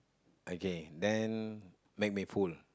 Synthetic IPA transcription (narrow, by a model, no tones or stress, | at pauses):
ʔokedɛ̃n | mek̚miful